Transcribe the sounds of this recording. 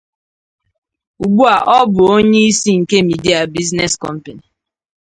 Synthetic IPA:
u˨ɡ͡bu˦a˨ʔɔ˦bʊ˨o˦ɲe˦i˦si˦ŋ̩˨ke˦mi˨di˦a˨bi˦zne˦skɔ˦m̩˦pe˨ni˨

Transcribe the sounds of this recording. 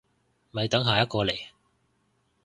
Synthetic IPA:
mɐ˨jt̪ɐ˨˥ŋɦaː˨˩jɐ˥t̚kɔː˧le˨˩j

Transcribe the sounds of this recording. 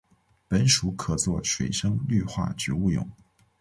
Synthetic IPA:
pə˧˥nʂu˧˥kʰɤ˨˩t͡swɔ˥˩ʂwe˨˩ɪʂɤ˥ŋly˥˧xwa̰˥˩ʈ͡ʂɻ̩˧˥u˥˩jʊ̰˨˩˦ŋ

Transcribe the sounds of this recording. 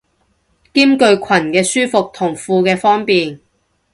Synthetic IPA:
kiː˥mkɵ˧ɥkʰɐ˨˩nkɛː˧syː˥fʊ˨k̚t̪ʰʊ˨˩ŋfuː˧kɛː˧fɔː˥ŋpiː˨n

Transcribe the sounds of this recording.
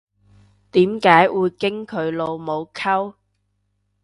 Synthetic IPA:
t̪iː˨˥mkaː˨˥jwuː˨˧jkɪ˥ŋkʰɵ˨˧ɥlo˨˧wmo˨˧wkʰɐ˥w

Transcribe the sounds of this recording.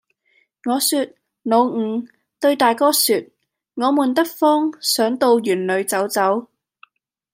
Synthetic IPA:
ŋɔː˨˧syː˧t̚ | no˨˧wŋ̩ː˨˧ | t̪ɵ˧ɥt̪aː˨jkɔː˥syː˧t̚ | ŋɔː˨˧muː˨˩nt̪ɐ˥k̚fɔː˥ŋsœː˨˥ŋt̪o˧wjyː˨˩nlɵ˨˧ɥt͡sɐ˨˥wt͡sɐ˨˥w

